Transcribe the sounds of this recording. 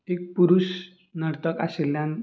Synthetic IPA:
ek̚puɾus | nəɽt̪əka̰selːjan

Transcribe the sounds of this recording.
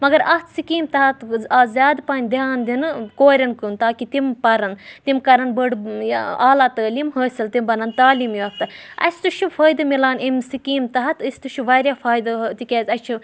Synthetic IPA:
mɐɡɐɾɐt̪sikiːmt̪ɐɦɐt̪azʲaːd̪paːnʲd̪iaːnd̪inɨkoːɾʲɐnkɨnt̪aːkit̪impɐɾɐnt̪imkɐɾɐnbəɖaːlaːt̪əːliːmɦəːsɐlt̪imbɐnɐnt̪aːliːmjuɐpt̪ɨɐ̰sʲt̪uʃʰufʰɐːjd̪ɨmilaːnimsikiːmt̪ɐɦɐt̪əsʲt̪uʃʰuʋaːɾʲjaːfʰaːjd̪ɐt̪ikʲeːzʲɐt͡ʃʰi

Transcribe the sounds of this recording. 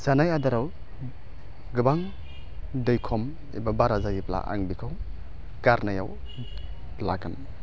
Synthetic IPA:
sanajadaɾaw | ɡɯbaŋ | dɯjkʰɔm | ḭbabaɾazajipla̰ʔa̰ŋbikʰaw | kaɾnaja̰w | lakan

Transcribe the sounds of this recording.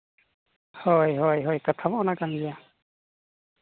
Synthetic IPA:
hojɦojɦɔjkat̪ʰabaɔnakaŋdia

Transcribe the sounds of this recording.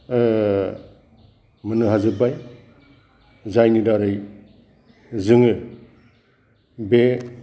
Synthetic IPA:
mɯnɯɦazɯbaj | zajnidaɾɯj | zɯŋɯ | be

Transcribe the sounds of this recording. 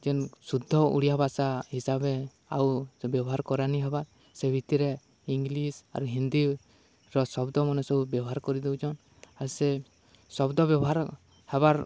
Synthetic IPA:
d͡ʒɛnsud̪ʱːɔṵɽijabʱasahisabe | a̰wbjɔbɔɦaɾkɔɾaniɦɛba | sebʱit̪iɾe | iŋɡlisa̰ɾuɦind̪i | ɾɔsɔbd̪ɔmɔnɔsɔbubjɔbɔɦaɾkɔɾid̪ɛwd͡ʒʰɔn | ase | sɔbd̪ɔbjɔbɔɦaɾ | hɛbaɾ

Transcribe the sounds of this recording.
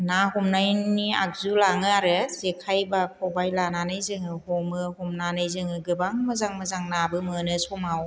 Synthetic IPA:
naɦɔmnajnia̰k̚zulaŋɯaɾɯzekʰajbakʰɔbajlananɯjzɯŋɯhɔmɯhɔmnanɯjzɯŋɯɡɯbaŋmɯzaŋmɯzaŋnabɯmɯnɯsɔmaw

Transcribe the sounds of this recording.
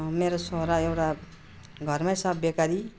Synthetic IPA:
meɾosoɦɾaewʈa | ɡʱʌrmajsʌbbekaɾi

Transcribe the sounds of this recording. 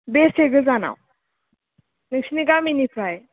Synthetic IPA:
besʰeɡɯzana̰w | nɯk̚sniɡaminipʰɾaj

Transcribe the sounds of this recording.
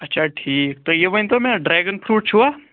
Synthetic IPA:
ɐtːt͡ʃʰaʈʰiːk̚t̪ojeʋənt̪omɛ̃ɖɾɛːɡənpʰɾuːʈ̚t͡ʃʰuaː

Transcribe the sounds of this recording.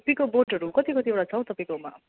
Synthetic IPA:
pĩkoboʈʌɾukʌt̪ikʌt̪iboɽat͡sʰʌw̃t̪ʌpaĩkoma

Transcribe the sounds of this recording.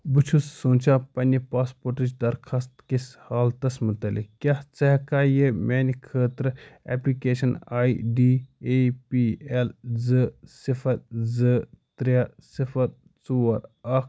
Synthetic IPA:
but͡ʃʰusːuːnʲt͡ʃʰaːpɐnʲipaːspoːɾʈɨt͡ʃdɐɾkʰɐst̪kishaːlt̪ɐsmɐt̪ɐlḭkkːʲaht͡sɐɦkaːjemʲeːnʲikʰəːt̪ɾəɛ̰plikeːʃɐnaːiɖiːeːpiːelzɨsifʰɐɾzɨt̪ɾasifʰɐɾ | t͡suːɐɾɐk

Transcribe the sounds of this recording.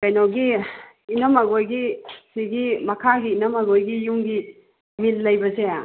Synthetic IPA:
kajnowɡi | inɐmaɡojɡisiɡimɐkʰaɡiːnɐmaɡojɡijuŋɡi | milːɐjbɐsea

